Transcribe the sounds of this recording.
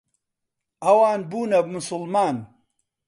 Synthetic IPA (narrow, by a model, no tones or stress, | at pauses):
ɐwaːnbuːnɐbmʊsʊlmaːn